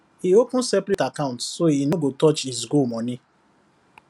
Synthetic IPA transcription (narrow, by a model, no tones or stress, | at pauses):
iokʊ̃sɛplitakaʊ̃ntsoinoɡotɔt͡ʃizɡomɔnɪ̃